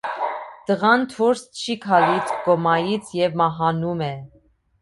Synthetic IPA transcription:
d̪̥əʁɑnt̪ʰuɾst͡ʃʰikʰɑlit͡sʰɡ̥ɔmɑjit͡sʰjɛvmɑɦɑnumɛ

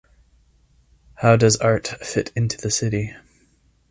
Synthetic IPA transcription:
haʊdʌzɑɹtfɪɾɪ̃ntʰʉðɨsɪɾi

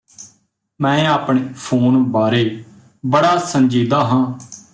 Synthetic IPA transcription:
mɛ̃ːaːpɳeːpʰoːnbaːɾeː | bəɽaːsə̃nd͡ʒiːd̪aːɦãː

